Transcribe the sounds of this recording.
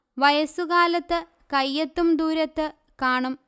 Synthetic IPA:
ʋɐjɐsuɣaːlɐt̪ːɨ | kɐjːɐt̪ːumd̪uːɾɐt̪ːɨ | kaːɳum

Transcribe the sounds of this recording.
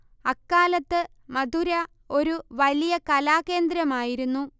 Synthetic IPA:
ɐkːaːlɐt̪ːɨ | mɐd̪uɾɐ | o̞ɾuʋɐlijɐkɐlaːke̞ːnd̪ɾɐmaːjiɾunːu

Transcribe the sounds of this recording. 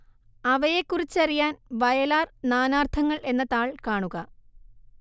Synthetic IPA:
ɐʋɐje̞kːurit͡ɕːɐrijaːnʋɐjɐlaːrnaːnaːrt̪ʰɐŋːɐɭe̞nːɐt̪aːɭkaːɳuɣɐ

